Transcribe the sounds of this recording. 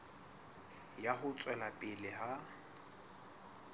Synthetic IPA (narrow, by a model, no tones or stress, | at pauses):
jahʊt͡sʼwɛlapʼɪlɪha